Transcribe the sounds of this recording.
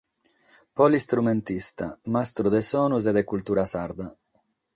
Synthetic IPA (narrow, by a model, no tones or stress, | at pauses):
pɔlist̪ɾument̪ist̪a̰mast̪ɾud̪ɛsɔːnuzɛd̪ɛkult̪uːɾasaɾd̪a